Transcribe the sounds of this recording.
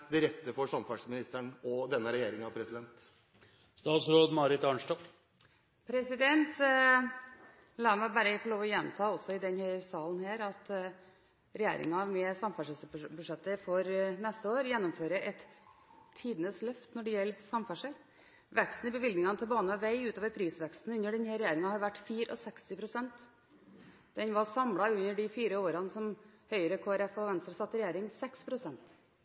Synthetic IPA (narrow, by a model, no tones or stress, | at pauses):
d̪ɪɾɛt̪ːəfɔʂɑmfɑʂmɪnɪst̪əɳɔd̪ɛnːəɾɛjeːɾɪŋɑʋpʰɾɛsɪd̪ɛnt̪ | st̪ɑːt̪sɾoːd̪mɑɾɪt̪ɑɳʂʈo | pʰɾɛsɪd̪ɛnt̪ | lɑːɾmæbæɾfɔɭoːʋɔjɛnt̪ʰɑːɔsːɔɪd̪ɛnhœɾsɑːln̩hæːɾɑt̪ | ɾɛjḛːɾɪ̰ŋɑmɛsɑmfæʂəsəbʉʂɛt̪ːəfɔɾnɛst̪əoːɾjɛnːɔmføːɾəʔɛt̪ʰː | iːd̪ənəslœft̪nɔɖɛjɛlːsɑmfæʂəɾ | ʋɛkst̪n̩ɪbəʋɪld̪nɪŋɑnət̪ʰɪlbɑːnəʋæɪʉːt̪oːʋəɾpʰɾiːsʋɛkst̪n̩ʉnːəɖɛnhæːɾɛjeːɾɪŋɑhɑɾʋæʈːfiːɾəʔɔ̰sɛkst̪ɪpʰɾʊsɛnt̪ | d̪ɛnʋɑsɑmlɑʉnːəɖɪfiːɾəoːɾɑnəsɔmhœʏəɾəkʰoːæɾɛfɔʋɛnst̪ɾəsɑt̪ːɾɛjeːɾɪŋsɛkspʰɾʊsɛnt̪